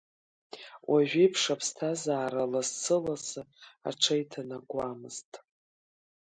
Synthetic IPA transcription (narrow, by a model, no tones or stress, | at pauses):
wʔaʒʷᶣijpʰʂapʰstʰazaːɾalast͡sʰɨlazɨa̰ʈ͡ʂʰajtʰanaɡʷamɨztʼ